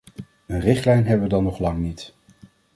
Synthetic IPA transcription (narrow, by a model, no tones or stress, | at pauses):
ənrɪχtlɛjnɦɛbəʋədɑnɔχlɑŋnit